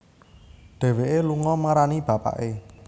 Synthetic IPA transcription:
ɖ̪̥ɛ̤weʔeluŋɔmaɾanib̥ä̤pa̰ʔe

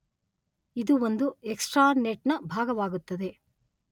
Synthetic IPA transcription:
id̪uʋond̪ueksʈɾaːneʈnɐbʱaːɡɐʋaːɡut̪ːɐd̪e̞

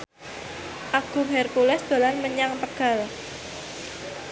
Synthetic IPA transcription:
ʔaɡ̥ṳmɦɛrpulɛsd̪̥o̤lanməɲaŋp̪əɡ̥a̤l

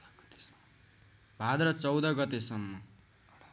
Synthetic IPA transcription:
bʱad̪rʌt͡sʌwd̪ʌɡʌt̪esʌmːʌ

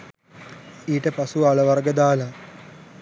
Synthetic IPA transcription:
iːʈəpɐsuʋaɭɐʋɐrɡəd̪aːlɐ

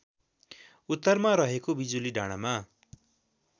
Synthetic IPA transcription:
ut̪ːʌrmaɾʌɦekobid͡zuliɖʱaɽ̃ama

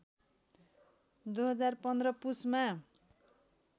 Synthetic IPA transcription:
d̪uɦʌd͡zarpʌnd̪rʌpusma

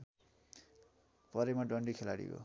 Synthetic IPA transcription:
pʌɾemaɖʌɳɖikʰelaɽḭɡo̰

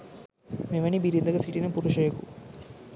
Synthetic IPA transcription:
meʋɐnibiɾind̪ɐɡɐsiʈinɐpuɾuʂɐjɐkṵ

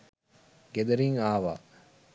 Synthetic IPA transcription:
ɡed̪ɐɾiŋaːʋa̰ː

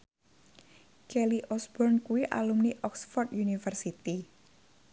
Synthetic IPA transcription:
kɛliʔɔsbɔrnkuwiʔa̰lumniʔɔksfɔrt̪junifərsit̪i

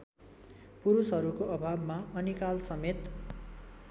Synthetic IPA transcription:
puɾusɦʌɾukoʔʌbʱabmaʌnikalsʌmet̪

